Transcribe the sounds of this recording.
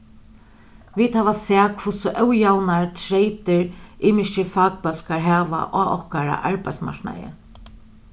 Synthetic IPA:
viːt̪haːʋasɛːkʰvʊsʊʔœwjawnaɹt̪ʰɾejt̪ɪɹʔɪːmɪst͡ʃɪfaːk̚pœl̥kaɹɦɛːʋa̰ʔɔɔhkaɾa̰ʔaɹpajt̪sma̰ɹkna̰jɪ̰

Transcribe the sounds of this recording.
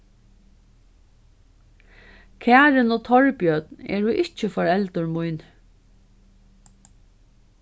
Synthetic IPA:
kʰæːɾɪnɔːt̪ʰɔɹpjœt̪nɛ̰ːɹʊʔɪht͡ʃəfɔɹɛlt̪ʊɹmujn

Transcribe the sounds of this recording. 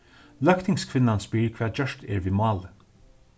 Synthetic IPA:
lœkt̪ʰɪŋskʰvɪnːanspɪːɾkʰvɛːd͡ʒœʃt̪ɛ̰ːɹviːmɑːlə

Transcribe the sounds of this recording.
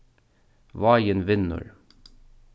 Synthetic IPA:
ʋɑjənʋɪnə̰ɹ

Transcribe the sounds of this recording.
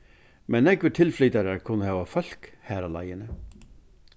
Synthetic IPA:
mɛnɛːɡʋɪʈʰɪlflʏːt̪ɑɾækʰʊnəhɑːʋɑfœl̥k | hæːɾalɑ̰ɪənə

